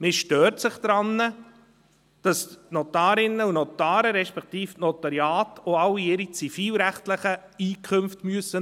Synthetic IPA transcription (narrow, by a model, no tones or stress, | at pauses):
mɪʃtøːɾtsɪχd̪̥ɾɑnːə | d̥ɑsnot̪ɑːɾɪnːəunotɑːɾəɾɛʃpɛktiːfnɔt̪ɑɾjɑːtoɑlːiɪɾit͡sifiːlɾæχtləχəiːkʰχʏmftmyəsːə